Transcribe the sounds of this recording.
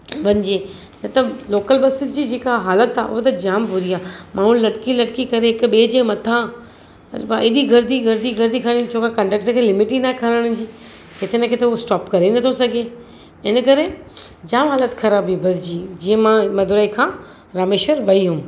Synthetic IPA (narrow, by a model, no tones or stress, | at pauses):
ʋɐ̃ɲɪd͡ʑeː | nɐt̪ɐloːkəlbɐsɪt̪d͡ʑiːd͡ʑeːkaɦaːlət̪aːʔʊ̰ɦot̪ɐd͡ʑaːmbʊɾiaːmʔãːɦũllːɐɽkilɐɽkikɐɾeɦɪkɓeːd͡ʑẽmɐt̪ʰã | ɐ̰ɾbaʔɪɗiɡɐɾd̪ʱiɡɐɾd̪ʱiɡɐɾd̪ʱikʰɐə̃ɽ̃t͡ɕʰoːkakɐ̃ɳɖək̚ʈəɾkʰeːlɪmɪʈinakʰɐɾəɽ̃ʊd͡ʑiː | kɪt̪ʰenəkʰet̪ɐusʈaːpkɐɾenɐt̪ʰosɐɡʱe | ɪnəkɐɾe | d͡ʑaːmɦaːlət̪kʰɐɾaːbibɐsd͡ʑiːd͡ʑĩːə̃mãmɐd̪ʱʊɾaːikʰãː | ɾaːmeːʃəɾʋɐiɦũː